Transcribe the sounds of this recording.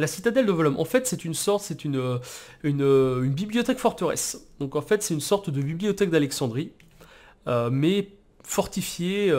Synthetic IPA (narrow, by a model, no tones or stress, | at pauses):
lasit̪ad̪ɛld̪əvɔlɔmʔɑ̰̃fɛt̪sɛt̪ynsɔʁt̪sɛt̪ynø | ynøynbibliɔt̪ɛkfɔʁt̪əʁɛ̰sd̪ɔ̃kɑ̃fɛt̪sɛt̪ynsɔʁt̪d̪əbiblijɔt̪ɛk̚d̪alɛksɑ̃d̪ʁi | ømɛ | fɔʁt̪ifje